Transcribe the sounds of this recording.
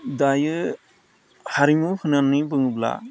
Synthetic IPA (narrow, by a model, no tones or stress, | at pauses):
dajɯ | haɾimuhʰɯnanːibɯŋɯbla̰